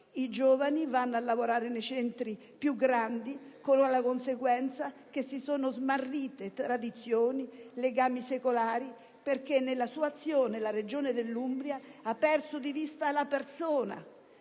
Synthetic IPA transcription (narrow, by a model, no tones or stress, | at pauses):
id͡ʒoːvanivanːalːavoɾaːɾenet͡ʃɛnt̪ɾi | pjuɡɾand̪ikoloalakonseɡwɛnt̪sak̟esːisoːnʊzmarːiːt̪et̪ɾad̪it̪sːjoːnileɡaːmisekolaːɾi | perkenːelasuat̪sːjoːnelaɾed͡ʒoːned̪elːumbɾjaapːɛrsʊd̪ivist̪alapersoːna̰